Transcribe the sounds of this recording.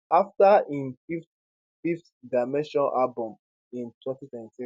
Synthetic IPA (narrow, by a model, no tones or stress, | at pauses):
aftaĩnfift | fift | daɪmɛ̃nʃɔ̃nʔalbɔ̃m | ĩntʰwɛ̃ntitɛ̃ntĩ